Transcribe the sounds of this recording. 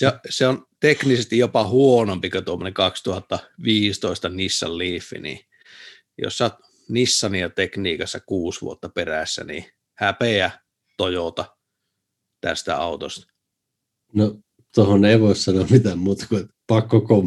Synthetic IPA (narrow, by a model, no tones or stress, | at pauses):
seseont̪eknisest̪ijjopɑhuonompikot̪uomːonekɑkst̪uhɑt̪ːɑʋiːst̪oist̪ɑnisːɑ̰lliːfːḭnḭː | jo̰sːɑt̪ | nisːɑniɑt̪ekniːkɑsːɑkuːsʋṵot̪ːɑperæsːæ̰nḭː | hæpeæ | t̪ojot̪ɑ | t̪æ̰st̪æ̰ɑut̪o̰st̪ɑ̥ | no | t̪ohoneˑiʋoˑssɑnomit̪æmuːt̪ɑ̥kuet̪pɑkːokom